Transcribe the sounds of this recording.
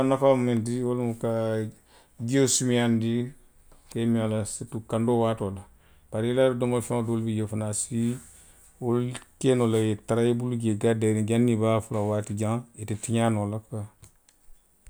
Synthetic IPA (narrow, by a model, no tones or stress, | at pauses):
anafammendiolmuka | ɡiosumiandi | kamialasitukandowaːtola | b̥aɾiladɔmolfidolbijefanasi | olkenolajetaɾajebuluɡeɡadaɾĩɡanːibafulawatid͡ʒaŋetitiɲanolaka